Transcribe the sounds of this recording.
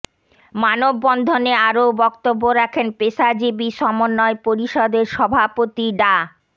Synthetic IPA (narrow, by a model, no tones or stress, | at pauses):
manobːɔnd̪ʱoneaɾobɔkt̪obːoɾakʰenpesad͡ʑibiʃɔmonːɔepoɾiʃɔd̪eɾʃɔbʱapot̪iɖa